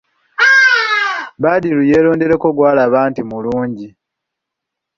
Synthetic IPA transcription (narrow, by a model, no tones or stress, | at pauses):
badiluje̞ːlo̞ːnde̞ɾe̞koɡwaːlaːβaːntimuluːɲɟi